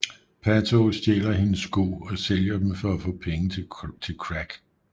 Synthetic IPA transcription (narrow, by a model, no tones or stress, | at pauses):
pʰæt͡sʰosd̥jḛːlɐhe̝nəsɡ̥o̝̰ɒ̽seljɐd̥emfɒ̽æfɔ̰̽ːpʰeŋət͡sʰet͡sʰe̝lkʰʁæɡ̥